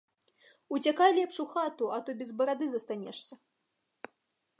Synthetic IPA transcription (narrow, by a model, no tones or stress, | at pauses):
ut͡sʲakajlʲɛpʂuxat̪uɐt̪ɔbʲɛzbɐɾad̪ɨzɐst̪anʲɛ̰ʂsʲɐ